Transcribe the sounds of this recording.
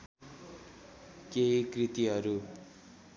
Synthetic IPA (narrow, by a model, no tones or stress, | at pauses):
keikrit̪iɦʌɾu